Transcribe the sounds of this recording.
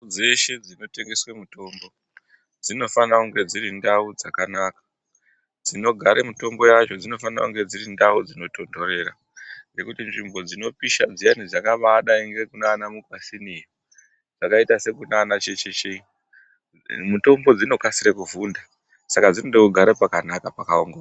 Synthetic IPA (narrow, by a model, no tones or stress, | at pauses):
d͡ze̞ʃe̞d͡zino̞te̞ŋɡe̞swemuto̞mbo̞ | d͡zino̞fanakuŋɡe̞d͡ziɾindaud͡zakanakḁ | d͡zino̞ɡʱaɾemito̞mbo̞jat͡ʃo̞d͡zino̞fana̰kuŋɡed͡zirindaud͡zino̞to̞ndo̞ɾe̞ra̰ | ŋɡe̞kutinʐimbo̞d͡zino̞piʃad͡zijanid͡zakaʋaɗaiŋɡekunaːnamukwasinija | d͡zakaitase̞kunaːnat͡ʃet͡ʃet͡ʃei | muto̞mbo̞d͡zino̞kasiɾekuvunda | sakad͡zinondekuɡʱaɾepakanakapakaoŋɡo